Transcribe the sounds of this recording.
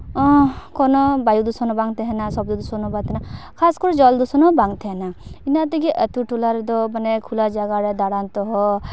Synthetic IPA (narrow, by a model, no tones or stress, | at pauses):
ɔkɔnɔbajud̪usɔnɔbaŋt̪ɛɦɛnasɔb̚d̪ud̪usɔnɔbat̪ʰɛnakʰaskɔɾd͡ʒɔld̪usɔnɔbaŋt̪ʰɛɦɛnainat̪̬ekiʔət̪uʈulaɾɛd̪ɔmanɛkʰulad͡ʒaɡaɾɛd̪aɽant̪ɔɦɔ